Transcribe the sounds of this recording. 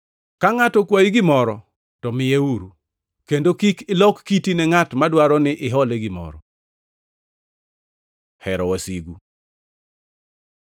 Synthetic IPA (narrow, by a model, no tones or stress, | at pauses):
kaŋatɔkwaiɡɪmɔɾɔ | tɔmɪjeuɾu | kendokikɪlɔkːitinɛŋatmadwaɾɔnɪʔɪɦɔleɡɪmɔ̰ɾɔ̰ | hɛɾɔwasiɡu